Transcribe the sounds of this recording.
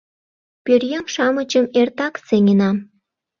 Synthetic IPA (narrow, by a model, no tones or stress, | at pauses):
pʲørjemʃɑmət͡ɕəmert̪ɑkseŋʲenɑ